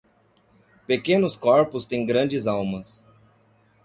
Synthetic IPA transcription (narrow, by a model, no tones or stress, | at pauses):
pekẽnʊskɔɾpʊst̪ẽj̃ɡɾɐ̃d͡ʒɪzawmɐs